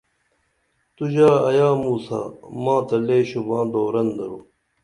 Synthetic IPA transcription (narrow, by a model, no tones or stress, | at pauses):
t̪ud͡ʑaːɐjaːmuːsa̰ːmãːt̪ɐleːɕubãːd̪oːɾɐnd̪ɐɾoː